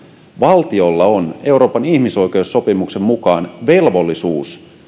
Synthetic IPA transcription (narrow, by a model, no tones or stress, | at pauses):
ʋɑlt̪io̞lːɑone̞wɾo̞ːpɑnihmiso̞jke̞usːo̞pimukse̞mːukɑːnʋe̞lʋo̞lːisuːs